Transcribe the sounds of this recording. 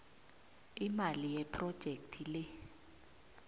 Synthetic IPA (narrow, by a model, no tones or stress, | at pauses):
imalijɛpʰrɔd̥ʒ̥ʱek̚tʰilɪ